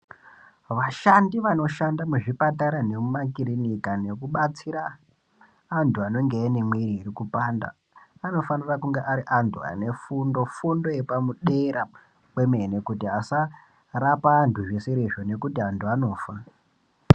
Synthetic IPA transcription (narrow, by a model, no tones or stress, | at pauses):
ʋaʃandiʋano̞ʃandamuʐipataɾane̞mumakiɾinikane̞kuɓat͡siɾaː | ntʰuano̞ŋɡeainemweiɾiiɾikupanda̰ː | no̞fanirakuŋɡeʔaɾiʔantʰua̰ne̞fundo̞fundo̞je̞pamuɗe̞ɾa | kwe̞me̞ne̞kutiɦasa | rapaːntʰuʐe̞se̞ɾeʐo̞ne̞kutiantʰuano̞ːfa